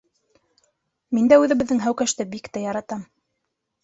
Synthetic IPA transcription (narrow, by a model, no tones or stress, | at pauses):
mind̪æʉðɘ̆βɘ̆ðːɘŋɦæwkæʃt̪ɘbikt̪æjɑɾɑt̪ɑm